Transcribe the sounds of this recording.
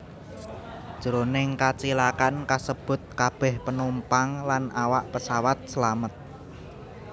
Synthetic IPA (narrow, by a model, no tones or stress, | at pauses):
d̥ʒ̥əɾonɪŋkat͡ʃilakankasəb̥ʊ̤t̪̚kab̥ɛhpənumpaŋlanʔawaʔpəsawat̪̚səlamət̪̚